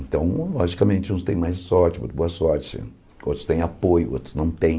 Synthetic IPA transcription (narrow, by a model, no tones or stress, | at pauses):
nt̪ɐ̃w̃lɔʒikɐmẽnt͡ʃɪũst̪ẽj̃majssɔɾt͡ʃɪo̰t̪ɾboɐsɔɾt͡ʃɪ̰ | o̰t̪ɾʊ̥st̪ẽj̃apojʊo̰t̪ɾʊ̥znɐ̃w̃t̪ẽj̃